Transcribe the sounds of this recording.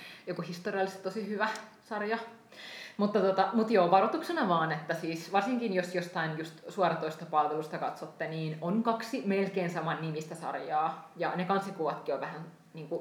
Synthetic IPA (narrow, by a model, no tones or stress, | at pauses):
jokuhist̪oriɑlːˑist̪t̪osihyʋæ | sɑrjɑ | mut̪ːɑt̪ot̪ɑmut̪joːʋɑrot̪uksenɑʋɑːnet̪ːæsiːsʋɑrsiŋkinjosjost̪ɑinjust̪suɑɾɑt̪oist̪ɑpɑlʋelust̪ɑkɑt̪sot̪ːeniːnonkɑksimelkeːnsɑmɑnnimist̪æsɑ̰rjɑːjɑ̰nekɑnsikuʋɑt̪kioʋʋæhæn | niːŋku